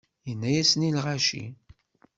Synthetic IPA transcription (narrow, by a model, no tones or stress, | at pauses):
jənːæjæsnilʁaʃḭ